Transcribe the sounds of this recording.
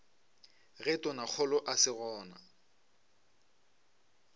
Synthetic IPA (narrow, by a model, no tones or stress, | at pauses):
ɣɛtʼɔnak͡xʰɔlɔʔasɪɣɔːna̰